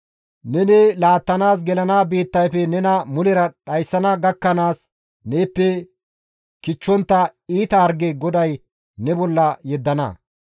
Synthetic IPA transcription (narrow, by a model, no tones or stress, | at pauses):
nɛnelaːt̪ːɐnaːs̬ɡɛlɐnaːbiːt̪ːɐjfɛnɛnɐmʊlɛɾɐɗɐjsːɐnɐɡɐkːɐnaːs | neːpːɛ | kɪt͡ʃːɔnt̪ːɐiːt̪ɐːɾɡeɡɔd̪ɐj | nɛbɔlːɐjɛd̪ːɐnɐ̰